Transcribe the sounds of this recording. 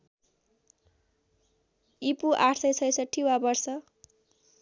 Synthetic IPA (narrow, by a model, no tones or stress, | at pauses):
ipuʔaʈʰsʌjsʌjsʌʈʰːiwabʌrsʌ